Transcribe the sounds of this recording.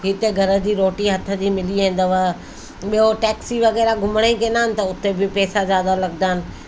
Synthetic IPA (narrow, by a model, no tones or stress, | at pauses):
ɦɪt̪eɡʱɐɾə̆d͡ʑiːɾoːʈiɦɐt̪ʰə̆d͡ʑiːmɪliẽːn̆d̪əʋa | ɓijoʈɛːksiʋɐɣɛːɾaɡʱʊməɽ̃ekẽːnaːɦɪnɪ̆t̪ɐʊt̪ebɪpɛːsazjaːd̪alɐɡ̚d̪aːɪnɪ̆